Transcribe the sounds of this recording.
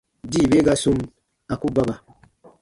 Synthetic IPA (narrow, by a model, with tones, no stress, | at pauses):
di˦˨be˦ɡa˦su˦m | a˨ku˦ba˦ba˨